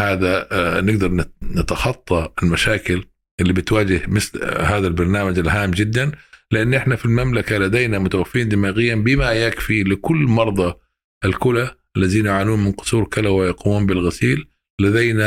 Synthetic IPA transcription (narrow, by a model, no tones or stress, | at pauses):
haːðanɪɡ̚d̪ɑɾˤnnɪt̪ɑxɑt̪ˤːɑɪlmaʃaːkɪl | ʔɪlːibɪt̪waːd͡ʒɪhmɪθlhaːðalbɑɾˤnaːmad͡ʒɪlɦaːmːd͡ʒɪd̪ːanlɪʔanːʔɪħnafilmamlakalad̪ejnamʊt̪awafːɾiːnd̪ɪmaːɣɪjːanbɪmajakfilɪkʊlːmɑɾˤd̪ˤɑ | ʔɪlkʊlaʔalːaðiːnjʊʕaːnuːnmɪnqʊ̥sˤuːɾkɪlawɪjɑquːmuːnbɪlɣasiːlː | ad̪ejna